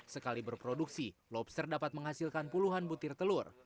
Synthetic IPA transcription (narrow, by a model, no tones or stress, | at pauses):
səkalibərpɾoduksilɔpsərdapat̪̚məŋɦasilkanpuluɦanbut̪ɪrt̪əlʊr